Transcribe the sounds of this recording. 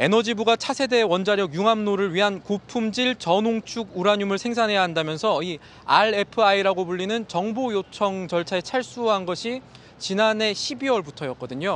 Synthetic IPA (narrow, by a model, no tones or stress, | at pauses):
e̞nʌd͡ʑibuɡat͡ɕʰasʰe̞de̞wʌnd͡ʑaɾjʌɡjuŋamnoɾɯɭɥiɦankopʰumd͡ʑiɭt͡ɕʌnoŋt͡ɕʰuɡuɾaɲumɯɭsʰeŋsʰanɦe̞jaɦandamjʌnsʰʌi | aɭe̞pʰɯaiɾaɡobuɭːinɯnt͡ɕʌŋbojot͡ɕʰʌŋt͡ɕʌɭt͡ɕʰae̞t͡ɕʰaɭs͈uɦanɡʌɕʰi | t͡ɕinane̞ɕʰibiwʌɭbutʰʌjʌk͈ʌdɯɲo